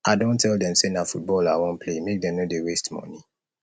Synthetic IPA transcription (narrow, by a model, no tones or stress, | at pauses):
ʔaɪdõntʰɛldɛ̃msenafut̚bɔlawɔ̃npʰlemek̚dɛ̃mnodewestmɔ̰ni